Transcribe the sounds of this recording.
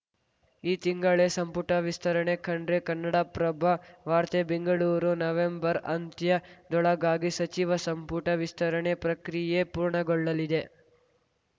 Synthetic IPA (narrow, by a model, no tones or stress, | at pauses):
iːt̪iŋɡɐɭesɐmpuʈɐʋist̪ʰɐɾɐɳekʰɐɳɖɾekɐnːɐɽɐpɾɐbʱɐʋaːɾt̪ebeŋɡɐɭuːɾunɐʋembɐɾɐnt̪jɐd̪ɔɭɐɡaːɡisɐt͡ʃiʋɐsɐmpuʈɐʋist̪ʰɐɾɐɳepɾɐkɾijepuːɾɳɐɡɔɭːɐlid̪e